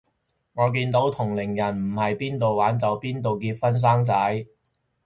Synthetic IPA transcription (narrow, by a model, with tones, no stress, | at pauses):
ŋɔː˨˧k̬iː˧nt̪o˨˥wt̪ʰʊ˨˩ŋlɪ˨˩ŋjɐ˨˩nm̩˨˩hɐ˨jpiː˥nt̪o˨wwaː˨˥nt͡sɐ˨˥wpiː˥nt̪o˨wkiː˧t̚fɐ˥ns̬aː˥ŋt͡sɐ˨˥j